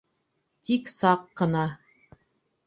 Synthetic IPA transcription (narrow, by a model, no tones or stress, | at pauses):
t̪iksɑqːɤ̆nɑ